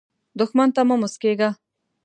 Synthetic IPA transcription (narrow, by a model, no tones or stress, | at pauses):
d̪ʊxmant̪amamʊskeɡa